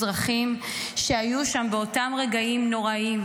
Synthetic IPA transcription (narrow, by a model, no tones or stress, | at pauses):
ʁaχim | ʃe̞ajuʃambeo̞tamʁe̞ɡaimno̞ʁaim